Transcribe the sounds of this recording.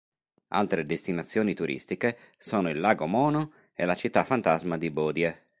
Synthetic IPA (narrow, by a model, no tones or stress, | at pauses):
a̰lt̪ɾed̪est̪inat̪sːjoːnit̪uɾʔḭst̪ike | soːnoilːaːɡomɔːno | elat͡ʃit̪ːafant̪azmad̪ibɔːd̪je